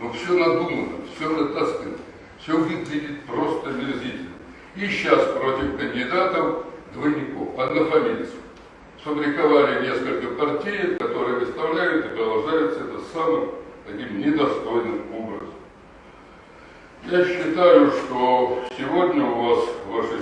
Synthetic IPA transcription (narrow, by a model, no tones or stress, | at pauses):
nofsʲonɐd̪umənə̰fsʲozɐt̪askʲɪnə | fsʲɵbudʲɪt̪vʲidʲɪt̚ʲpɾo̞st̪əmʲɪrzʲitʲɪlʲnə | iɕːaspɾo̞tʲɪfkənʲdʲɪd̪at̪əfd̪vəjnʲɪko̞̰fɐd̪nəfɐmʲit̪sə̥ | sopɾʲɪkɐvaɾʲɪnʲe̞skəlʲkəpɐrtʲijkɐt̪o̞ɾɨjəvʲɪt̪st̪ɐvlʲæjʊt̪ɨpɾəd̪ɐlˠʐd̪ajʊt̪səɛt̪əsamɨmt̪ɐkʲimnʲɪd̪ɐst̪ojnɨmobɾə̰zəm | jaɕːɪt̪ajʊʂt̪osʲɪvo̞dʲnʲəʊvasvaʂɨ